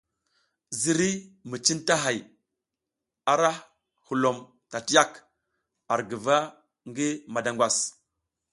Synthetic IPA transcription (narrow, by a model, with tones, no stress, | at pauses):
zi˨ɾi˦mi˨t͡ʃi˦nta˦ɦa˨j | a˨ɾa˦ | hu˨lo˨m | ta˨ti˦ja˦k | a˨ɾɡi˨va˦ | ŋɡi˦ma˨da˨ŋɡwa˨s